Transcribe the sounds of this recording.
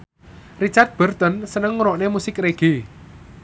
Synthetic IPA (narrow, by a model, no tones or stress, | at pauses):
rit͡ʃart̪̚b̥ə̤rt̪ɔnsənəŋːuɾɔʔnemusɪkreɡ̥i